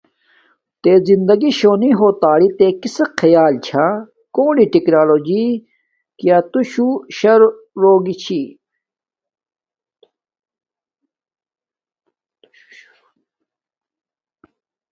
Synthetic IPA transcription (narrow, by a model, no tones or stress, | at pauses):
t̪eːzind̪ɐɡiɕoːniɦoːt̪aːɽit̪eːkisɐkʰɐjaːlt͡ɕʰa | koːɖiʈiknaːloːd͡ʑi | kjaːt̪uɕuɕɐɾː | oːɡit͡ɕʰi